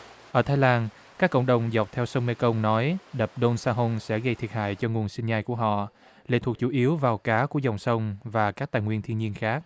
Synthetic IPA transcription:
ʔəː˧˩t̪ʰaː˧jlaː˧n | kaː˦˥kːə̰˧˨wŋ͡mɗə˨˩wŋ͡mza˨˩wk͡p̚t̪ʰɛ˧wsə˧wŋ͡mme˧kə˧wŋ͡mnɔ˨˦jɗə˨˩p̚ɗo˧nsaː˧ɦo˧nsɛ̰˧˥ɣə˧jt̪ʰi˨˩əha̰ː˧˨jt͡ɕɔ˧ŋu˨˩ənsï˧nɲaː˧jku˧˩əɦɔ̰˧˨ | lḛ˧˨˩t̪ʰu˨˩ək̚t͡ɕu˧˩ʔi˨˦əwvaː˨˩wkaː˨˦ku˧˩əza˨˩wŋ͡msə˧wŋ͡mvaː˨˩kaː˦˥k̚t̪aː˧˨jŋwi˧ənt̪ʰi˧nɲi˧ənxaː˦˥k̚

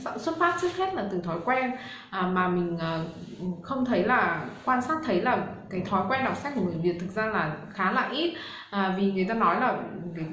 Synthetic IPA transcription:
a̰˧˨swə˧nfaː˦˥p̚t͡ɕɨ˦˥k̚he˦˥t̚laː˨˩t̪ɨ˨˩t̪ʰɔ˨˦jkwɛ˧n | ʔəː˨˩maː˨˩mï˨˩ŋ̟ʔəː˨˩˨xə˧wŋ͡mt̪ʰə˨˦jlaː˨˩kwaː˧nsaː˦˥t̪ʰə˨˦jlaː˨˩kaː˨˦jt̪ʰɔ˨˦jkwɛ˧nɗa˨˩w̚sa˦˥k̚ku˧˩ŋɨː˨˩vi˨˩ət̚t̪ʰɨ˨˩k̚zaː˧laː˨˩xaː˨˦la̰ː˧˨jʔi˦˥t̚ | ʔəː˨˩vi˨˩ŋɨ˨˩əjt̪aː˧nɔ˨˦jlaː˨˩˨

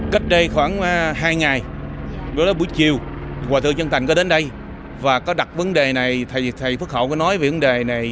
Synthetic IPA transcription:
ka˦˥jk̟̚ɗə˧jxwaː˧˩nɦaː˧jŋa˨˩jɗo˨˦jlaː˨˦ɓu˧˩əjt͡ɕi˨˩əwwaː˨˩t̪ʰɨ̰˧˨t͡ɕə˧nt̪ʰa˨˩ŋkɔ˨˦ɗe˨˦nɗə˧j | vaː˨˩kɔ˨˦ɗa˨˩t̚və˨˦nɗe˨˩na˨˩jt̪ʰa˨˩jt̪ʰa˨˩jfɨ˦˥ək̚xə̰˧˩˨wkɔ˨˧˦nɔ˨˦jve˨˩və˨˦nɗe˨˩na˨˩j

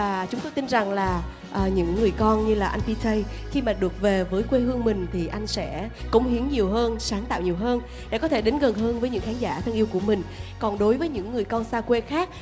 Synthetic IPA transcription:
aː˨˩t͡ɕʊ˨˦ŋ͡mt̪o˧jt̪i˧nza˨˩ŋlaː˨˩ | ʔəː˨˩ɲɨ̰˧˥ŋːɨ˨˩əjkɔ˧nɲɨ˧laː˨˩ʔa˧jŋtpi˧t̪ʰə˧j | xi˧maː˨˩ɗɨ˨˩ək̚ve˨˩vəː˨˦jkwe˧hɨ˧əŋmï˨˩ŋ̟t̪ʰi˨˩ʔa˧jŋ̟sɛ̰˧˥kə˧˩wŋ͡mhi˨˦əŋɲi˨˩əwɦəː˧nsaː˨˦nt̪a̰ː˧˨wɲi˨˩əwɦəː˧n | ɗḛ˧˥˩kɔ˨˦t̪ʰe˧˩ɗe˨˦nɣə˨˩nɦəː˧nvəː˨˦jɲɨ̰˧˥ŋxaː˨˦ŋzaː˧˩t̪ʰə˧ŋʔi˧əwku˧˩əmï˨˩ŋ̟kɔ˨˩nɗo˨˦jvəː˨˦jɲɨ̰˧˥ŋːɨ˨˩əjkɔ˧nsaː˧kwe˧xaː˦˥k̚

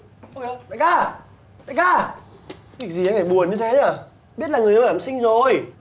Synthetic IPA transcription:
ʔo˧ke˧˦ɗa˧˨kaː˧˩ | ɗa˧˨kaː˧˩ | kk̚zi˨˩a˧faː˧˩jɓu˨˩ənɲɨ˧t̪ʰe˨˦aː˨˩ | ɓi˦˥ət̚laː˨˩ŋɨ˨˩əjə˧˦˨aː˨˧˨sï˧ŋzo˨˩j

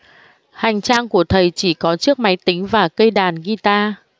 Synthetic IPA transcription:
ha˨˩jŋ̟t͡ɕaː˧ŋku˧˩ət̪ʰə˨˩jt͡ɕi˧˩kɔ˨˦t͡ɕɨ˦˥ək̚ma˨˦jt̪ï˨˦ŋ̟vaː˨˩kə˧jɗaː˨˩nɣi˧t̪aː˧

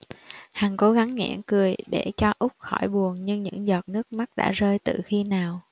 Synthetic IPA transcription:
haː˨˩ŋko˨˦ɣa˨˦ŋŋɛ̰˧˥ənkɨ˨˩əjɗe˧˩t͡ɕɔ˧ʔʊ˦˥k͡p̚xɔ˧˩jɓu˨˩ənɲɨ˧ŋɲɨ̰˧˥ŋzɔ˨˩t̚nɨ˦˥ək̚ma˦˥t̚ɗa̰ː˧˥zəː˧jt̪ɨ̰˨˩xi˧naː˨˩w

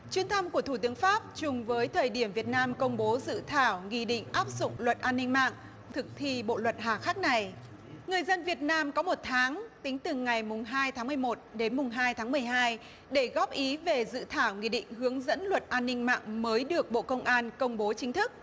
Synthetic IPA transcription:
t͡ɕwi˧ənt̪ʰə˧mku˧˩ət̪ʰu˧˩t̪ɨ˨˦əŋfaː˦˥p̚t͡ɕʊ˨˩ŋ͡mvəː˨˦jt̪ʰəː˨˩jɗi˧˩əmvi˨˩ət̚naː˧mkə˧wŋ͡mɓo˨˦zɨ̰˧˨t̪ʰaː˧˩wŋḭ˧˨ɗḭ˧˨ŋ̟ʔaː˦˥p̚zʊ̰˧˨ŋ͡mlwə˨˩t̚ʔaː˧nːï˧ŋ̟ma̰ː˧˨ŋ | t̪ʰɨ˨˩k̚t̪ʰi˧ɓo̰˧˨lwə˨˩t̚ɦaː˨˩xaː˦˥k̚na˨˩j | ŋɨ˨˩əjzə˧nvi˨˩ət̚naː˧mkɔ˨˦mo˨˩t̚t̪ʰaː˨˦ŋt̪ï˨˦ŋ̟t̪ɨ˨˩ŋa˨˩jmʊ˨˩ŋ͡mɦaː˧jt̪ʰaː˨˦ŋmɨ˨˩əjmo˨˩t̚ɗe˨˦nmʊ˨˩ŋ͡mɦaː˧jt̪ʰaː˨˦ŋm˨˩əjɦaː˧j | ɗe˧˩ɣɔ˦˥p̚ʔi˨˦ve˨˩zɨ̰˧˨t̪ʰaː˧˩wŋḭ˧˨ɗḭ̈˧˨ŋ̟ɦɨ˨˦əŋzə̰˧˥nlwə˨˩t̚ʔaː˧nːï˧ŋ̟ma̰ː˧˨ŋməː˨˦jɗɨ˨˩ək̚ɓo̰˧˨kə˧wŋ͡mʔaː˧nkə˧wŋ͡mɓo˨˦t͡ɕï˨˦ŋ̟t̪ʰɨ˦˥k̚

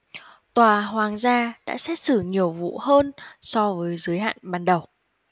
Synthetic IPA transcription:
t̪waː˨˩ɦwaː˨˩ŋzaː˧ɗa̰ː˧˥sɛ˦˥t̚sɨ˧˩ɲi˨˩əwvṵ˧˨həː˧nsɔ˧vəː˨˦jzɨ˨˦əjɦa̰ː˧˨nɓaː˨˩nɗə˨˩w

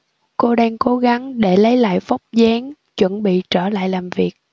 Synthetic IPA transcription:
ko˧ɗaː˧ŋko˨˦ɣa˨˦ŋɗe˧˩lə˨˦jla̰ː˧˨jva˦˥wk͡p̚zɛː˨˦ŋ | t͡ɕwə˧˥˩nɓḭ˧˨t͡ɕəː˧˩la̰ː˧˨jlaː˨˩mvi˨˩ək̚

